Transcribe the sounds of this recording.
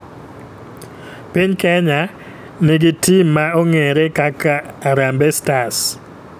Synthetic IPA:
piɲkɛɲa | nɪɡitʰimːaoŋeɾekakaːɾambɛstas

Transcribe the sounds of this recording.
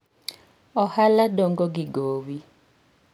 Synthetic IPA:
ɔhalaɗɔŋɡɔɡiɡoːwi

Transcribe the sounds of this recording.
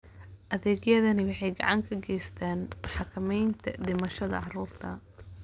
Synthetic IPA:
ʔɐðɛːɡjɐðɐnɪwɑħɑjɡɑ̰ʕɑŋkʰɐɡɛjst̪ʰaːnħɑkʰɐmɛjnt̪ʰɐd̪ɪmɐʃɐðɐ̰ʕɑɾuːrt̪ʰɐ

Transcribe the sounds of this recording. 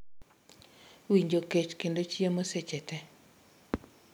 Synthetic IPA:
wiɲd͡ʒoket͡ʃkendot͡ʃiemoset͡ʃɛtɛ

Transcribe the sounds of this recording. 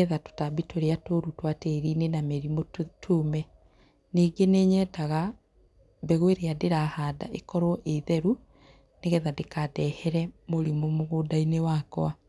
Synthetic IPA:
ɛðato̥tabitoɾeatoɾutwateɾiːnenamɛɾimotʰumɛ | niːɡeneːɲɛtaɣa | bɛɣweɾeadeɾahaːda̰ʔekɔɾɔʔeðɛɾu | neɣɛðadekadɛhɛɾɛmoɾimomoɣodainewakw̰a

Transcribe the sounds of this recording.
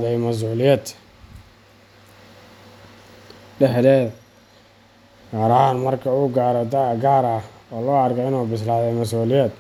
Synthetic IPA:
ðɛjmɐs̬uːlɪjɛːd̪ | ɖɛħðɛːð | ɡ̥aːɾɐɦaːnmɐrkʰɐuːɡaːɾɔd̪ɐɡaːɾɐhɔːlɔːɐrɡɔɪnuːbɪslaːjɛjmɐs̬uːlɪjɛːd̪̚

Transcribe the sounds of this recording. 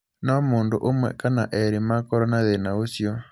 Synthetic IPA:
nɔmondoʔomwɛ̰kana̰ʔɛɾemakɔɾɔnaðenaosjɔ

